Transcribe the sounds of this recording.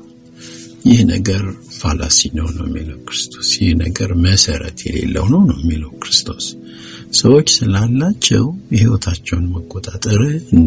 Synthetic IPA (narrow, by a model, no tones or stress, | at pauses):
jɪhnə̰ɡəɾfala̰sinəwnəwjɛmːiləwkɾɨst̪ʰo̞̥sjɪhnəɡəɾməsəɾə̰t̪ʰjɛle̞̰lːə̰wnownəwjɛmːiləwkɾɨst̪ʰo̞s | səwot͡ʃːsɨlalːat͡ʃːɛ̰whiwot̪ʰat͡ʃːɛwnməkʼːot̪ʼat̪ʼəɾɨn